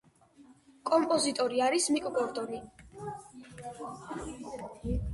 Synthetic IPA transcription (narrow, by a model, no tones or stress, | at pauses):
kʼɔmpʼɔzit̪ʼɔɾiaɾismikʼbɔɾd̪ʼɔni